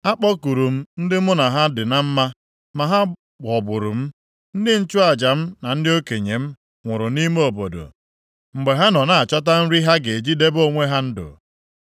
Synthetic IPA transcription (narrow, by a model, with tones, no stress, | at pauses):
a˦k͡pɔ˦ku˨ɾu˨m̩˦n̩˦dɪ˦mʊ˦na˨ɦa˦dɪ˨na˦m̩˦ma˦ | ma˨ɦa˦˨ | ɔ˨bʊ˨ɾʊ˨m̩˦ | n̩˦dɪ˦n̩˦t͡ʃʊ˦a˨d͡ʒa˨m̩˦na˨n̩˦dɪ˦o˦ke˨ɲe˨m̩˦ | ŋʷʊ˨ɾʊ˨ni˦me˦o˨bo̰˨do̰˨ | ŋ͡m̩˨ɡ͡be˨ɦa˦nɔ˨na˨a˨t͡ʃɔ˦t̬a˦n̩˦ɾi˦ɦa˦ɡe˨e˨d͡ʒi˦de˦bo˦ŋʷe˦ɦa˦n̩˦dʊ̰˨